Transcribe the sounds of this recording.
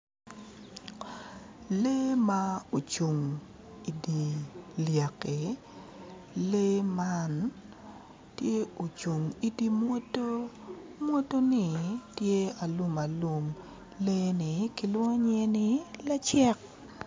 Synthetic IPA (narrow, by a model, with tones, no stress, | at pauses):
le˦ma˦o˨t͡ʃu˨ŋ | i˨di˨lja˨ke˨ | le˦ma˦n | tje˦o˨t͡ʃu˨ŋi˨di˦mwo˦to˦ | mwo˦to˦nɪ˨tje˦a˨lu˦ma˨lu˨m | le˦nɪ˨kɪ˦lwo˦ŋo˦ɲe˦nɪ˦la˦t͡ʃɛ˦k̚